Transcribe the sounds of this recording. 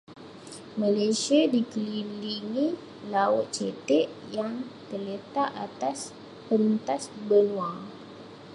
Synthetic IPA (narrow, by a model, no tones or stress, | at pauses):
malasiadikəliliŋi | laʊt̪̚t͡ʃet̪ɛʔjaŋt̪ərlət̪aʔat̪as | pənt̪asbəluaŋ